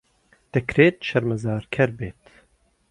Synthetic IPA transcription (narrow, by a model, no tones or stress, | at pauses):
d̪̥ɛkʰɾeːt̪ʃɛɾmɛzaːɾkʲʰɛɾbeːt̪